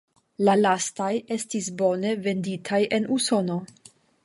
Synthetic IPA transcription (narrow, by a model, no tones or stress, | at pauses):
lalastaje̞stisbo̞ne̞ve̞nditʰajʔe̞nuso̞no̞